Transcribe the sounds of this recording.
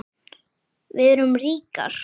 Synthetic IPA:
vɪðɛɾʏmriːka̰ɾ̥

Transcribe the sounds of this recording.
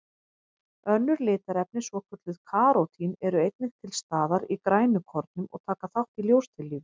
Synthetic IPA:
œnːʏɾlɪːt̪aɾɛpnɪsvɔkʰʏt̪lʏðkʰaːɾowt̪ʰinɛɾʏejt̪̚nɪŋt̪ʰɪlst̪aːðaɾikɾaːjnʏkʰɔɾt̪̚nʏmɔ̰ɣt̪ʰaːkaθawht̪iljowst̪ʰɪlːiːv

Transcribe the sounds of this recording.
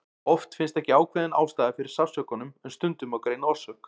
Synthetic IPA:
ɔft̪fɪnst̪ɛhcɪaːwkʰvɛðɪna̰ːwst̪aːðfɪɾɪɾ̥safsœːkɔnʏmɛnst̪ʏnt̪ʏmawkɾeːjnɔɾ̥sœhk

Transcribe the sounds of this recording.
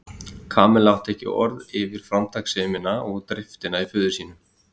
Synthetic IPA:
kʰaːmɛlawt̪ʰɛːhcɪ̰ʔɔ̰ɾðɪvɪɾ̥fɾawmt̪ʰaksɛːmɪnaɔɣt̪ɾɪft̪ɪnaifʏːðʏ̥siːnʏm

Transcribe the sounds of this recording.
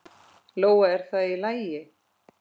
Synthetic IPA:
loːwaɛɾ̥θaðilaːjjɪ

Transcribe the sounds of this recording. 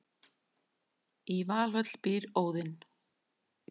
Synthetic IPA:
ivaːlœt̪l̥piːɾoːwðɪn

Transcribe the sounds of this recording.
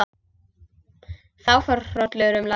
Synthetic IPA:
θawfœɾ̥rɔt̪lɛɣɾʏmla

